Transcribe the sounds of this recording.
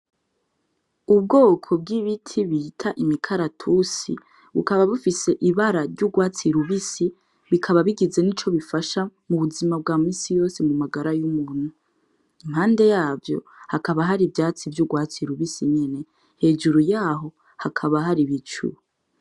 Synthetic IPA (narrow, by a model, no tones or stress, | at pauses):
ub̚ɡo̞ːkʰo̞b̚ɡiβitʰiβitʰaʔimikʰaɾatʰusḭ | βṵkaβaβufise̞ʔiβaɾaɾɟuɡwaːt͡siɾuβisi | βikʰaβaβiɡize̞nit͡ʃo̞βifaʃamuβuzimab̚ɡaːmiːsijo̞ːse̞mumaɡaɾajumuːn̥hu | imhaːnde̞jaːvjo̞̰ | hakaβaɦaɾibjaːt͡sivjuɡwaːt͡siɾuβisiɲe̞ne̞ | he̞d͡ʒuɾujaːɦo̞ | hakʰaβaɦaɾiβit͡ʃṵ